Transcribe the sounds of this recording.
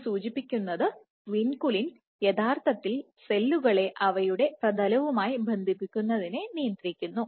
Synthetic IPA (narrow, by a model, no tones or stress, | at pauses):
suːt͡ɕipːikʲːunːɐðɨ | ʋinkulin | jed̪ʱaːrt̪ʰɐt̪ːil | se̞lːuɣɐɭe̞ʔɐʋɐjuɽe̞prɐd̪ʱɐlɐʋumaːjibɐnd̪ʱipːikʲːunːɐðinenijɐnd̪rikʲːunːu